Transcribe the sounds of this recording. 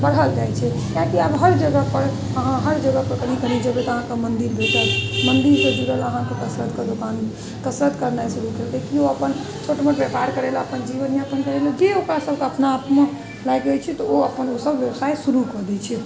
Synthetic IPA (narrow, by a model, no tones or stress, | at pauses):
bəɽɦəld͡ʒajt͡ʃʰɛ | kãkiabɦəɾd͡ʒəɡəpəɾ | əɦãɦəɾd͡ʒəɡəpəɾkənikənid͡ʒəbet̪ɔəɦãkemənd̪iɾbʱetəmənd̪iɾsed͡ʒuɾələɦãkekəsɾət̪ked̪okan | kəsɾət̪kəɾnajsuɾukelt̪ekioəpən | t͡ʃʰoʈmeʈepajɾkəɾɛlaəpənd͡ʒiʋənijãpənkəɾelad͡ʒeokɾasəbʱkeəpnaːpme | lajkɡəjt͡ʃʰɛt̪ɔoəpənosəbʋjəwsajsuɾukəd̪ɛt͡ʃʰɛ